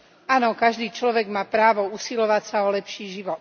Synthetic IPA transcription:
aːnɔkaʒd̪iːt͡ʃlɔʋɛɡmaːpɾaːʋɔuːsilɔʋacsaɔlɛpʃiːʒiʋɔt̪

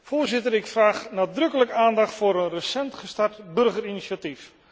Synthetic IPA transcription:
foːɹzɪtəɾɪkfraːχnaːdrɵkələkaːndɑχtfʊːɾənrəsɛntχəstartbɵrχəɾinisatif

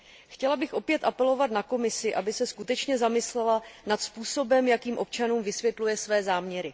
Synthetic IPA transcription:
xcɛlabɪxʔo̞pjɛt̪ʔapɛlo̞vat̪nako̞mɪsɪʔabɪsɛskut̪ɛt͡ʃɲɛzamɪslɛlanat̪spuːso̞bɛmjakiːmʔo̞p̚t͡ʃanuːmvɪsvjɛt̪lujɛsvɛːzaːmɲɛɾɪ

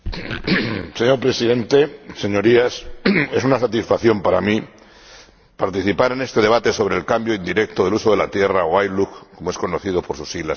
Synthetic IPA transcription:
se̞ɲoɾpɾe̞sið̞ẽ̞nt̪e̞se̞ɲo̞ɾiase̞sunasat̪isfaθjo̞mpaɾami | paɾt̪iθipaɾe̞nest̪e̞ð̞e̞β̞at̪e̞so̞β̞ɾe̞lkambjo̞ind̪iɾe̞k̚t̪oðeuso̞ð̞e̞lat̪je̞raoajlukko̞moesko̞noθiðo̞po̞ɾsusiɣlas

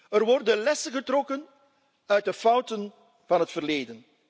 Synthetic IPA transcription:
ərʋɔrdənlɛsənɣətrɔkən | œɥ̚dəfɑwtən | vɑnɦətfərleːdən

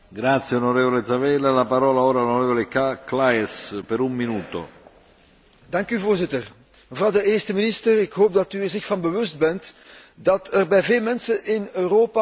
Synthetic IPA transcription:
ɡɾaːt̪sjeonoɾeːvoled̪zavɛːlalapaɾɔːlaoːɾalonoɾɛːvɔlekaklaɛspɛɾumːinuːt̪o̰ | dɑŋkyvoːrzɪtər | məvrɑwdəeːrstəmɪnɪstərɪkɦoːp̚dɑt̪yɛrzɪxfɑnbəʋʏst̚bɛnt̪dɑt̪ʰɛrbɛjveːlˠmɛnsənʔɪnøːɾoːpa

